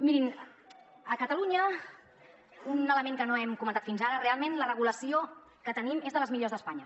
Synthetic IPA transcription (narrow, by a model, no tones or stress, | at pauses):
miɾin | əkət̪əluɲə | unələmeŋkənoɛmkumənt̪at̪finzaɾərealˠmenlərəɣuləsio | kət̪ənimezðələzmiʎozðəspaɲə